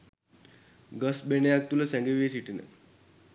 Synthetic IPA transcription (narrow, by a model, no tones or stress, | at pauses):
ɡəsbenejak̚t̪uləsæŋɡeʋijəsiʈinə̰